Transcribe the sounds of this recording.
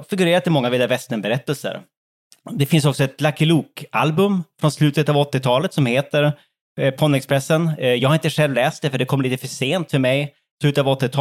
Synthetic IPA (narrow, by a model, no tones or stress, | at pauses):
fɪɡɵɾeːɾat̪ːɪmɔŋːavɪld̪avɛst̪ənbɛɾɛt̪ːəlsə̰ɾ | d̪ɛfɪnsɔksɔɛt̪lakɪluːkʔalbɵmfɾɔnslʉ̟ːt̪ət̪ɑvɔt̪ːɪt̪ʰɑːlət̪sɔmheːt̪əɾ | pʰɔnːɛkspʰɾɛsːənjɑɡhaɾɪnt̪əɧɛlvlɛːst̪̚d̪ɛfœɖɛkʰɔmːəɭiːt̪əfœʂeːnt̪fœɾmɛj | slʉːt̪əavɔt̪ːɪt̪ʰɑ